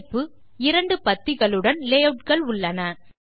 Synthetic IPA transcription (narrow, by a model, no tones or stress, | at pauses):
pːɯ | ɪɾɐɳɖɯpɐt̪ːɪɣɐɭɯɽɐnleːɐʈkɐɭʊɭːɐnɐ